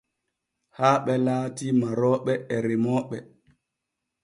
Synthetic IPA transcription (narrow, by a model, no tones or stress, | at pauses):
haːɓɛlaːtimaɾɔːɓɛɛɾemɔːɓɛ